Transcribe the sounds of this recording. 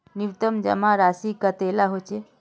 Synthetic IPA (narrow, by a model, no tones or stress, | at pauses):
niʋt̪əmd͡ʒə̰maɾasikət̪elaɦot͡ʃe